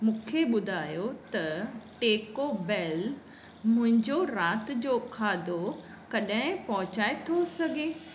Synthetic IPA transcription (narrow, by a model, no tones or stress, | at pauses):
mũːkʰeɓʊd̪ʱaːjot̪ɐʈeːkobɛːl | mʊ̃ɦɪ̃ɲd͡ʑoɾaːt̪d͡ʑoːkʰaːd̪ʱo | kɐɗɦɪ̃pɐɦʊt͡ɕaːet̪ʰosɐɡʱeː